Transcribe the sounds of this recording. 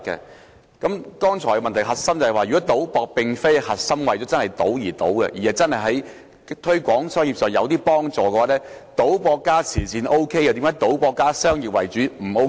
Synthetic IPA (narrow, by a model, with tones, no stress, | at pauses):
kːɛ̰˧ | kɐ˨˥mkɔː˥ŋt͡sʰɔː˨˩jɛ˧mɐ˨nt̪ʰɐ˨˩jɦɐ˨t̚sɐ˥mt͡sɐ˨˩hɐ˨jwaː˨jyː˨kɔ˨˥t̪o˨˥wpɔː˧k̚pɪ˨˧ŋfe˥jhɐ˨t̚sɐ˥mwɐ˨jt͡ɕɔː˨˥t͡sɐ˥nhɐ˨jt̪o˨˥wjiː˨˩t̪o˨˥wkɛ̰˧jiː˨˩hɐ˨˩wt͡sɐ˥nhɐ˨jɦɐ˨˥j | t̪ʰɵ˥ɥkʷɔː˨˥ŋsœː˥ŋjiː˨p̚sœː˨ŋjɐ̰˨˧wt̪iː˥pɔː˥ŋt͡sɔː˨kɛː˧waː˨˥lɛː˥t̪o˨˥wpɔː˧kːaː˥t͡sʰiː˨˩siː˧nʔo˥wkʰe˥ja˨˧t̪iː˨˥ŋkːaː˨˥jt̪o˨˥wpɔː˧kːaː˥sœː˥ŋjiː˨˩p̚wɐ˨jt͡ʃyː˨˥m̩˨˩o˧˥